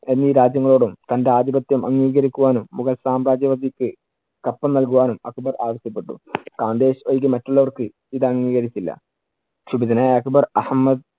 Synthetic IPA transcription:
e̞nːiːɾaːd͡ʑjɐŋːɐɭo̞ːɽumt̪ɐndeaːd̪ibɐt̪jɐmʔɐŋːiːɣɐɾikʲːuʋaːnumːuɣɐlsaːmɾaːd͡ʑjɐʋɐd̪ikːɨ | kɐpːɐmnɐlkuʋaːnumɐkubɐraːʋɐstɐpːe̞ʈːṵkaːnd̪e̞ːɕojɡimɐtːuɭːɐʋɐrkɨ | iðɐŋːiːɣɐɾit͡ɕːilːɐ̰ | ɕubiðɐnaːjɐkbɐrɐhmːɐd̪

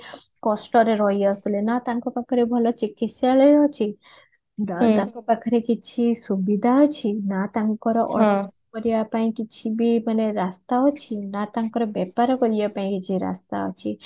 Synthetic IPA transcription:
kɔsʈɔɾeɾɔɦjɔst̪ulenat̪ãŋkɔpakʰɔɾebʱɔlɔt͡ʃikit̪sjaɭɔjɔt͡ʃʰi | at̪ãŋkɔpakʰɔɾekit͡ʃʰisubid̪ʱaɔt͡ʃʰinat̪ãŋkɔɾɔʔɔ̰ɾkɔɾijapaĩkit͡ʃʰibimaneɾast̪aɔt͡ʃʰinat̪ãŋkɔɾɔbɛpaɾɔkɔɾijapaĩkit͡ʃʰiɾa̰st̪a̰ɔ̰t͡ʃʰi

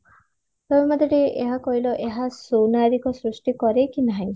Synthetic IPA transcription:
pɔbɔmad̪ʱɔɽeʔeɦakɔɦilɔʔeɦasownaɾikɔsɾusʈikɔɾekinaɦĩ

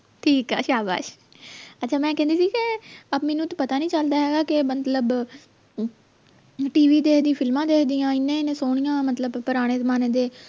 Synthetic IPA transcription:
ʈʰiːkɛ̰ːʃaːba̰ːʃ | ətːʃʰaːmɛ̃ːkɛ̃ːnd̪iːsiːkɪəbmɛːnũːt̪ːpət̪aːnĩːt͡ʃəld̪aːɦɛːɡaːkɪmət̪ləb | ʈiːʋiːd̪eːkd̪ĩːpʰɪlmãːd̪eːkʰd̪ijãːɪnːẽːɪnẽsoːɽ̃ijãːmət̪ləbpəɾaːɽ̃eːzəmaːneːd̪eː

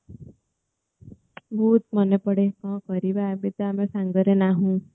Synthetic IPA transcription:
bʱuːt̪mʌnepəɽekɔ̃kɔɾibaːbit̪ɔamesaŋɡəɾenaɦũ

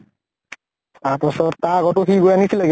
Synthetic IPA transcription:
t̪apɔsɔɾt̪aɡɔʈokʰiɡojanitʰilaɡ

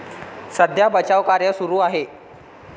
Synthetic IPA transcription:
səd̪ʱjabət͡ɕaʋkaɾjəsuɾuːaɦe

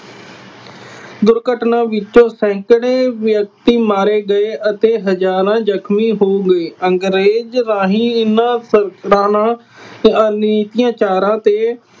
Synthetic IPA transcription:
ɡʊɾkəʈnãːʋɪtːt͡ʃõːsɛ̃ːkɽeːʋjək̚t̪iːmaːɾeːɡəeːʔət̪eːɦəd͡ʒaːɾãːd͡ʒəkʰmiːɦoːɡəeːʔəŋɡɾeːd͡ʒɾaːɦiːɪnãːsəɾɾaːnãː | əniːt̪ijãːt͡ʃaːɾãːt̪eː

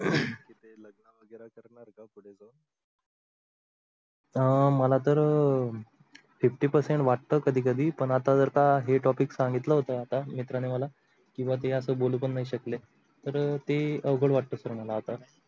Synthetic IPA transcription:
kit̪eləɡnəʋəɡəɾakəɾɳaɾkapuɽ̤ed͡zon | əməlat̪əɾ | fifʈiːpəɾseɳʈʋaʈ̚t̪əːkəd̪ʱiːkəd̪ʱiːpəɳat̪ad͡zəɾt̪aɦeʈɔpiksaŋɡit̪ləɦot̪əat̪amit̪ɾaneməla | kĩw̃ʋat̪̬eəsəːboluːpəɳːaɦiɕəkle | t̪əɾt̪eəʋɡəɭʋaʈ̚t̪əsəɾɳalaɦot̪a

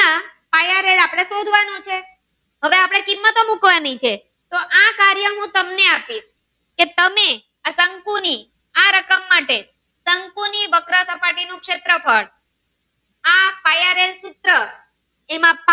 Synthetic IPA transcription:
apajaɾelapɽ̃esod̪ʱʋanũt͡ʃʰe | ɦəʋeapɽ̃ekimːət̪omukʋanit͡ʃʰe | t̪oʔakaɾjəɦũt̪əmneapis | ket̪əme | asəŋkuni | aɾəkəmːaʈe | səŋkuniʋəkɾəsəpaʈinũkʃet̪ɾəpʰəɽ | apajaɾelsut̪ɾə | emãp

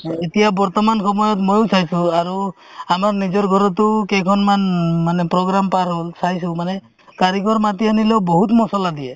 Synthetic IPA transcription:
etijabɔɹt̪ɔmankʰɔmɔjɔt̬mojosʰajsũaɹuamaɹnizɔɹɡʱɔɾɔtukɛjkʰɔnmanmanɛpɹɔɡɾampaɾɦolsajsumanɛ | kaɾikɔɹmatianilewboɦutmɔsɔladijɛ

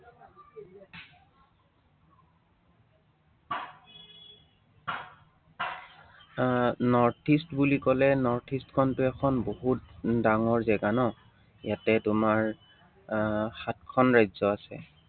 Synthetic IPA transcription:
nɔɹtʰistbulikɔlɛnɔɹtʰistkʰɔntʊɛkʰɔnboɦutdaŋɔɹzɛɡanɔ | jatɛtʊmaɹ | xat̚kʰɔnɹajzɔasɛ̰

